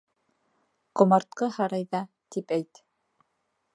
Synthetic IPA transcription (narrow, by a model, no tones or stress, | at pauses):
qŏmɑɾt̪̚qɤhɑɾɑjðɑ | t̪ipæjt̪